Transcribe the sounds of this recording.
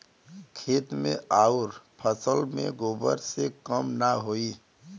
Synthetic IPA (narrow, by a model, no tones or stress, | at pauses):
kʰeːt̪mḛ̃aːuɾpʰəsəlmḛ̃ɡoːbə̰ɾsekəmnaɦoːi